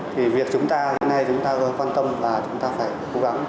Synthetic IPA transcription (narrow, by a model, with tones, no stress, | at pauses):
t̪ʰi˨˩vi˨˩ək̚t͡ɕʊ˨˦ŋ͡mt̪aː˧he˨˦nːa˧jt͡ɕʊ˨˦ŋ͡mt̪aː˧ɣə˨˦kwaː˧nt̪ə˧mlaː˨˩t͡ɕʊ˨˦ŋ͡mt̪aː˧faː˧˩jko˨˦ɣa˨˦ŋ